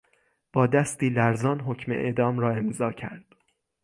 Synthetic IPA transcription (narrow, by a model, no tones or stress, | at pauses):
b̥ɒːd̪æst̪iːlæɾzɒːnɦocʰme̞̰ʔḛd̪ɒːmɾɒːe̞mzɒːcʰæ̰ɾd̪̥